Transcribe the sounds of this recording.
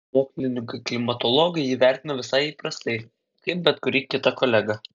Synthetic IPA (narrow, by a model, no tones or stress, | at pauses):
moːksʲlʲɪnʲɪkɐklʲɪmɐt̪ɔlˠɔɡɐɪiːʋʲæˑɾʲt̪ʲɪnɐʋʲɪsɐɪiːpɾɐst̪ɐɪ | kɐɪp̚bʲɛt̪kʊɾʲiːkʲɪt̪ɐkɔːlʲæɡɐ